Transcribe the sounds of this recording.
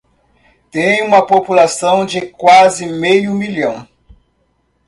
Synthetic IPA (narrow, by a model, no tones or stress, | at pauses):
t̪ẽj̃ũmɐpopulasɐ̃w̃d͡ʒɪkwazɪmejʊmilɐ̃w̃